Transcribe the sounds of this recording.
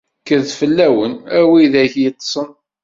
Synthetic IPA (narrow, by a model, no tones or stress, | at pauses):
kəðfəlːæwənæwiðæçjət̪ˤːsˤən